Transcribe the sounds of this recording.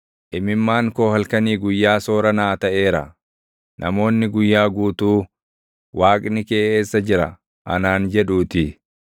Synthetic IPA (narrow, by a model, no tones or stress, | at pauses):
ʔɪmɪmːaːŋkoːhɐlkɐniːɡʊjːaːso̞ːɾɐnaːt̪ɐʔe̞ːɾɐ̰ | nʔɐ̰mo̞ːnːɪɡʊjːaːɡuːt̪uː | waːkʼnɪkeːʔeːsːɐd͡ʒɪɾɐ̰ | ʔɐ̰naːnd͡ʒɛᶑuːt̪ɪ